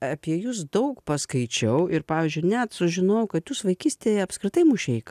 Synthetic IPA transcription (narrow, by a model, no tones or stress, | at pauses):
ɐpʲiɛjʊsd̪ɐʊkpɐskɐɪt͡ʃʲɛʊʔɪɾpɑːʋʲiːzʲd͡ʒʲʊɪnʲɛt̪sʊʒʲɪnoʊkɐt̪jusʋɐɪkʲiːsʲt̪ʲeːjɛɐpskɾʲɪt̪ɐɪmʊʃʲɛɪkɐ